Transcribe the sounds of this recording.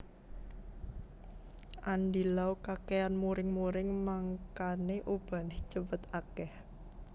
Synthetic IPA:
ʔandilawkakeanmuɾɪŋmuɾɪŋmaŋkaneʔub̥a̤nɪht͡ʃəbət̪akɛh

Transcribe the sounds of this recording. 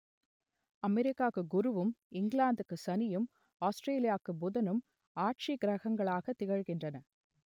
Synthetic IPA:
ɐmɛɾɪkːaːkːɯɡʊɾɯʋɯmɪŋɡɭaːnd̪ɯkːɯsɐnɪjɯm | aːsʈɾeːlɪjaːkːɯbʊðɐnɯm | aːʈ̚t͡ʃiɡɾɐɣɐŋɡɐɭaːɣɐt̪ːɪɣɐɻɣɪndrɐnɐ

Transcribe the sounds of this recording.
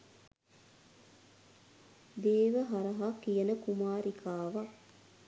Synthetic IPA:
d̪eːʋəɦaɾɐɦakijɐnəkumaːɾikʰaːʋa

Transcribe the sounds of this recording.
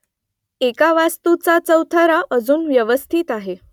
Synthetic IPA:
ekaʋast̪ut͡sat͡səwt̪ʰəɾaʔəd͡zuːnʋjəʋəst̪ʰiːt̪aɦe

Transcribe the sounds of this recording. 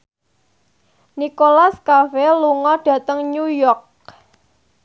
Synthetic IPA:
nikolaskafeluŋɔɖ̥ä̤t̪əŋɲujɔrk̚

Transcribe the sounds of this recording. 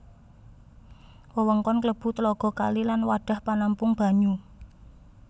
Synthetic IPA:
wəwəŋkɔnkləb̥ṳt̪əlɔɡ̥ɔ̤ka̰lilanwaɖ̥a̤hpanampʊŋb̥a̤ɲu

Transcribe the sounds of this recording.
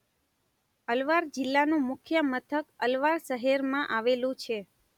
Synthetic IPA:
əlʋaɾd͡ʒɪlːanũmʊkʰjəmət̪ʰəkəlʋaɾʃəɦeɾmãʔaʋelũt͡ʃʰe

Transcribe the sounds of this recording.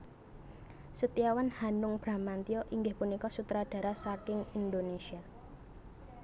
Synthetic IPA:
sət̪iawanhanʊŋb̥ɾa̤mant̪ioʔiŋɡɪhpunikɔsut̪ɾaɖ̥ä̤ɾasakɪŋind̪onesia

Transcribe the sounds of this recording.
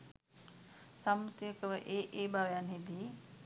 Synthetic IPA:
samːut̪ijəkəʋəʔeːʔeːbʱaʋejanɦid̪iː

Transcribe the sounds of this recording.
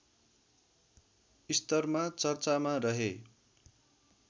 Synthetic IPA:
ist̪ʌrmat͡sʌrt͡samarʌɦe

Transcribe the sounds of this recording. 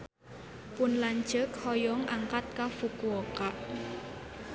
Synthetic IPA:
pʊnlaɲd͡ʒəkhɔjɔŋʔaŋkat̪̚kafukuɔkaʔ

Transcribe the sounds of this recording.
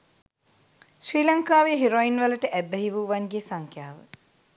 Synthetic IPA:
sriːlaŋkaːʋeɦiɾoinʋələʈəʔæbəɦiʋuːʋanɡesaŋkjaːʋə̰

